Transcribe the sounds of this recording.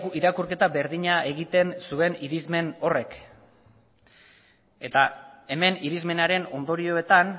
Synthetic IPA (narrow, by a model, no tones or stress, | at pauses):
iɾakuɾke̞t̪abe̞ɾðiɲae̞ɣit̪e̞nsue̞niɾizme̞no̞re̞k | e̞t̪ae̞me̞niɾizme̞naɾe̞no̞nd̪o̞ɾio̞e̞t̪an